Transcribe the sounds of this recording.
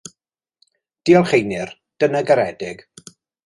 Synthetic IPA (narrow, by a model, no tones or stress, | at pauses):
d̥iɔlˠχejnɪr | d̥ənəɡaɾɛdɪɡ̥